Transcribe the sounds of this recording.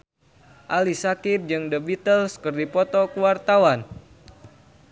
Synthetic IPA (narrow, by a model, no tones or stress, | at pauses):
ʔalisakird͡ʒɨŋdəbit̪əlskərdipɔt̪ɔkuwart̪awan